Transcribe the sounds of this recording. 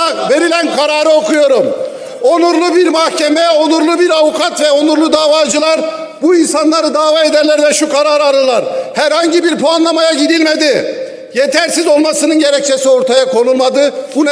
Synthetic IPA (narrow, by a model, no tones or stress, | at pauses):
ve̞ɾilʲænkʰaɾaːɾɯo̞kʰujo̞ɾum | o̞nuɾlˠubiɾmahcʰemɛo̞nˠuɾlˠubiɾavukʰat̪vɛo̞nˠuɾlˠud̪aːvaːd͡ʒɯlˠaɾ | buinsanlˠaɾɯd̪aːvaːed̪æɾlʲæɾvɛʃukʰaɾaːɾaɾɯlˠaɾhæɾhaɲɟibiɾpoanlˠamajaɟiɾilʲmed̪ɪ | je̞t̪ʰæɾsizo̞lˠmasɯnɯnɟe̞ɾɛc̚t͡ʃʰesio̞ɾt̪ʰajakʰo̞nulˠmad̪ɯbun